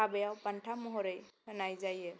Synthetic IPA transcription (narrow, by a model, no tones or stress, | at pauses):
abəjawpəɳʈʰamɔɦɔɾəjənajd͡ʒaje